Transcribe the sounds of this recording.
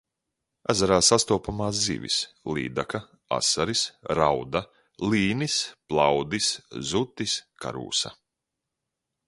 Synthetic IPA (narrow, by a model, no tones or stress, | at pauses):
æzaɾaːsast̪uɔːpamaːs̬zḭːvʲḭs | lˠḭːd̪aka | a̰saɾisɾawd̪a | lˠiːnisplˠawd̪iszut̪ːiska̰ɾṵːsa̰